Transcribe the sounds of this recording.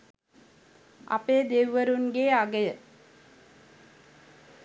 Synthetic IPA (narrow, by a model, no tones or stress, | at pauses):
a̰peːd̪eʋʋəɾunɡeːaɡəjə